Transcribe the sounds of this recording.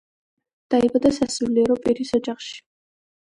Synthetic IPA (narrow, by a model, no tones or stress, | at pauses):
d̪̥aibad̪asasuliɛɾɔpʼiɾisɔd͡ʒaχʃi̥